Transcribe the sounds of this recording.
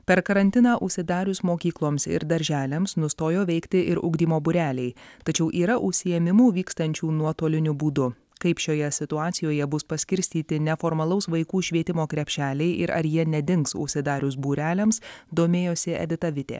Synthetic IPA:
pʲɛɾkɐɾɐnʲt̪ʲɪnɑːʔʊʃʲsʲɪd̪ɑːɾʲʊsmoːkʲiːklˠoːmsɪ̰ɾd̪ɐɾʲʒʲæːlʲɛmsnʊst̪oːjoːʋʲɛɪkt̪ʲɪʔɪɾʊ̰ɡd̪ʲiːmoːbʊɾʲæːlʲɛɪt̪ɐt͡ʃʲɛʊʔiːɾɐʔʊʃʲsʲɪjɛmʲɪmuːʋʲiːkst̪ɐnʲt͡ʃʲuːnuɔt̪oːlʲɪnʲʊbuːd̪ʊ | kɐɪpʃʲoːjɛsʲɪt̪ʊɑːt̪sʲɪjoːjɛbʊspɐsʲkʲɪɾʲsʲt̪ʲiːt̪ʲɪnʲɛfoːɾmɐlˠɐʊsʋɐɪkuːʃʲʋʲiɛt̪ʲɪmoːkɾʲɛpʲʃʲæːlʲɛɪʔɪɾɐ̰ɾjiɛnʲɛd̪ʲɪŋksʊ̰ʃʲsʲɪd̪ɑːɾʲusbuːɾʲæːlʲɛmsd̪oːmʲeːjoːsʲɪɛ̰d̪ʲɪt̪ɐʋʲɪt̪ʲḛː

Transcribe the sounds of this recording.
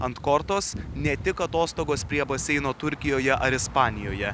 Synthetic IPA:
ɐnt̪kɔɾt̪oːsnʲɛt̪ʲɪkɐt̪oːst̪oːɡoːspʲɾʲiɛbɐsʲɛɪnoːt̪ʊɾʲkʲɪjoːjɛʔɐɾɪspɑːnʲɪjoːjɛ

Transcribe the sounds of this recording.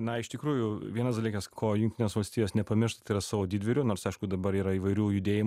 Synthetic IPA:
nɐɪʃt̪ʲɪkɾuːjʊʋʲiɛnɐsd̪ɐlʲiːkɐskʰoːjʊŋkt̪ʲɪnʲeːsʋɐlʲsʲt̪ʲiːjoːsnʲɛpɐmʲɪrʃt̪ɐt̪ɐɪɾɐsɑːʋoːdʲiːd̪ʲʋʲɪɾʲuːnoːɾsɐɪʃkʊd̪ɐbɐɾiːɾɐiːʋɐɪɾʲuːjʊd̪ʲeːjɪm

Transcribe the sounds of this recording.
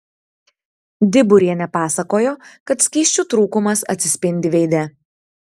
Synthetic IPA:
d̪ʲɪbʊɾʲiɛnʲɛpɑːsɐkoːjoːkɐt̪sʲkʲiːʃʲt͡ʃʲuːt̪ɾuːkʊmɐsɐ̰t̪ʲsʲɪsʲpʲɪnʲd̪ʲɪʋʲɛɪd̪ʲɛ

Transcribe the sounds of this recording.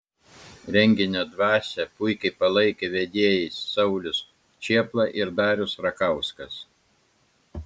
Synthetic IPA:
ɾʲɛŋʲɡʲɪnʲod̪ʋɑːsʲɛpʊɪkʲɐɪpɐlˠɐɪkʲeʋʲɛd̪ʲiɛjɛɪsːɐʊlʲʊs | t͡ʃʲiɛplˠɑˑʔɪɾd̪ɑːɾʲʊsɾɐkɐʊskɐs

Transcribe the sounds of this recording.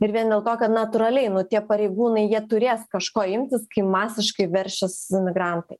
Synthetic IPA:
ɪɾʋʲiɛnd̪ʲeːlˠt̪oːkɐt̪nɐt̪ʊɾɐlʲɛɪnʊt̪ʲiɛpɐɾʲɛɪɡuːnɐɪjiɛt̪ʊɾʲeːskɐʃkoːɪmʲt̪ʲɪskɐɪmɑːsʲɪʃkɐɪʋʲɛrʲʃʲɛsmʲɪɡɾɐnt̪ɐɪ

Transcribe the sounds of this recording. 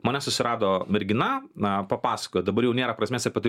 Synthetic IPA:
mɐnʲɛsʊsʲɪɾɑːd̪oːmʲɛɾʲɡʲɪnɐɐpɐpɑːsɐ̥kojɛd̪ɐbɐɾjɛʊnʲeːɾɐpɾɐsʲmʲeːsʲɐpʲɐt̪

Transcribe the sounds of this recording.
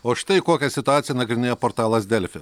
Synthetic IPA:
oːʃʲɪ̥t̪ɐɪkoːkʲɛsʲɪt̪ʊaːt̪sʲɪjɛnɐɡɾʲɪnʲeːjoɔpɔɾt̪ɑːlˠɐsd̪ʲɛlʲfʲɪ

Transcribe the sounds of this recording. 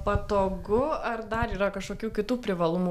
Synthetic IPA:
pɐt̪oːɡʊɐrd̪ɐɾiːɾɐkɐʃkoːkʲuːkʲɪt̪uːpʲɾʲɪʋɐlˠʊmuː

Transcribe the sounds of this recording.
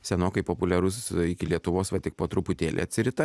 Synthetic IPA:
sʲɛnoːkɐɪpoːpʊlʲɛɾʊsɪkʲɪlʲiɛt̪ʊʋoːsʋɐt̪ʲɪk̚poːt̪ɾʊpʊt̪ʲeːlʲḛɐ̰t̪ʲsʲɪɾʲɪt̪ɐ

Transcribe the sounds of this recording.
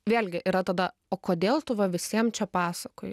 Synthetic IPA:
ʋʲeːlʲɡʲɪʔiːɾɐt̪ɐd̪ɐ | oːkoːd̪ʲeːlˠt̪ʊʋɐʋʲɪsʲiɛmt͡ʃʲɛpɑːsɐkoːj

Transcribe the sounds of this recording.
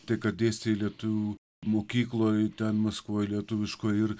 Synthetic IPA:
t̪ɐɪkɐt̪̚d̪ʲeːsʲt̪ʲelʲiɛt̪ʊʋʲuː | moːkʲiːklˠoːjt̪ʲɛnmɐskʋoːjlʲiɛt̪ʊʋʲɪʃkoːjɪɾ

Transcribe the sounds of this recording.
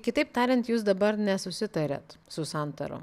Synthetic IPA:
kʲɪt̪ɐɪp̚t̪ɑːɾʲɛnt̪juːsd̪ɐbɐɾnʲɛsʊsʲɪt̪ɐɾʲɛ̰t̪sʊsɑnt̪ɐ̰ɾo̰

